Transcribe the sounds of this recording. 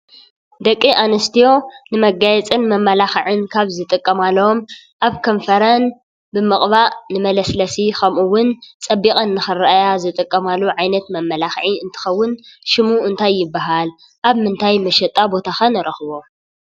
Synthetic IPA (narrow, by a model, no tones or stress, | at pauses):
d̪ɐkʼːiʔanɐst̪ʰijo̞nɨmɐɡajɛt͡sʼɨnmɐmːɐlaxʕɨnkʰaβzɨt̪ʼɨkʼːɐmalːɐom | ʔaβkʰɐɱfɐɾɐn | bɨmɨχʼβaʔnɨmɐlɐslɐsixʰɐmʔuwʊnt͡sʼɐbːikʼɐnːɨxɨɾɐʔajazɨt̪ʼɨkʼːɐmalːuʕajnɐt̪mɐmːɐlaxʕiɨnt̪ʰɨ̥xɐwːʊnʃɪmuɨnt̪ʰajːɪbːaɦal | ʔaβmɨnt̪ʰajmɐʃɐt̪ʼːabo̞t̪ʰaxɐnɨɾɐxβo